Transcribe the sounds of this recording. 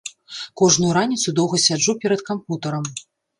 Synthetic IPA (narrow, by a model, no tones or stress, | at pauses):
kɔʐnujuɾanʲit̪sud̪ɔwɣɐsʲad͡ʐupʲɛɾɐt̪kamput̪ɐɾɐm